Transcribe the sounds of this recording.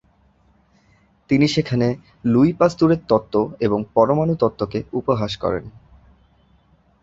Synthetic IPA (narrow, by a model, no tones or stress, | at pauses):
t̪iniʃekʰane | luipast̪uɾeɾt̪ɔt̪ːoeboŋpɔɾomanut̪ɔt̪ːokeupoɦaʃkɔ̰ɾḛn